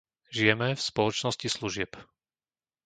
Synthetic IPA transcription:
ʒijɛmɛfspɔlɔt͡ʃnɔscisluʒɪɛp

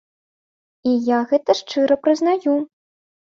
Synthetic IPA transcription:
ijaɣɛt̪ɐʂt͡ʂɨɾɐpɾɨznaju

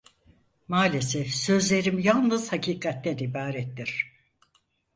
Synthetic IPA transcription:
maːlʲesɛfsø̞zlʲe̞ɾimjalˠnɯz̥hacʰiːkʰat̪ːɛnibaːɾɛt̪ːiɾ̥

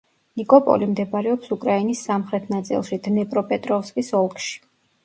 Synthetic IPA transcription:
nikʼɔpʼɔ̰limd̪ɛbɾɛɔpsukʼɾainisːamχɾɛt̪ʰnat̪sʼḭlˠʃid̪̥nɛpʼɾɔpʼɛt̪ʼɾɔfskʼisɔlˠkʰʼʃi̥

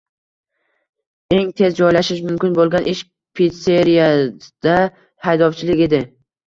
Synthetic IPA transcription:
e̞ŋt̪ʰe̞zd͡ʒɒjlaʃɪʃmʊmkʲɪnbolˠɡʲanʔɪʃ | pʰit̪seɾijad̪̥a | hajd̪ɒwt͡ʃʰɪlɪkʲe̞d̪ɪ

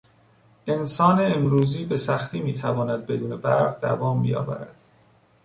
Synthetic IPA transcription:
ʔe̞nsɒːneːmɾuːziːbe̞sæxt̪ʰiːmiːt̪ʰævɒːnæd̪̚be̞d̪uːne̞bæɾɢd̪æ̰vɒːmbḭjɒ̰ːvæ̰ɾæ̰d̪̥

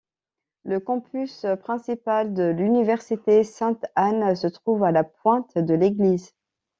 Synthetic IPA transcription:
ləkɔ̃pyspχɛ̃sipald̪əlynivɛʁsit̪esɛ̃t̪ansət̪χuvalapwɛ̃t̪d̪əleɡliz

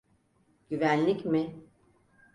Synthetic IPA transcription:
ɟ̥yvænlʲicmɪ

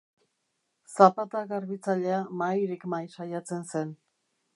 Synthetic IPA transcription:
sapat̪aɣaɾβit͡saʎe̞amajɾikmajʃajat͡se̞nse̞n

